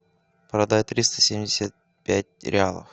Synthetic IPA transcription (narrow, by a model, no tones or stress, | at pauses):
pɾɐd̪at̪ɾʲist̪ə̥sʲemʲdʲɪsʲat̪̚ | pʲætʲɾʲɪalˠə̰f